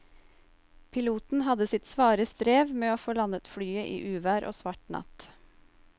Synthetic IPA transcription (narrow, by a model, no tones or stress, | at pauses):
pʰɪluːt̪n̩hɑd̪əsɪt̪sʋɑːɾəst̪ɾeːʋmeːoːfoːlɑnət̪fɽyːəʔḭːʔʉːʋæːɾʔo̰ːsʋɑʈnɑ̰t̪